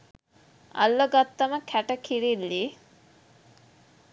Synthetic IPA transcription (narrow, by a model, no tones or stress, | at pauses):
ɐ̰lːoɡat̪ːəməkʰæʈəkʰiɾilːi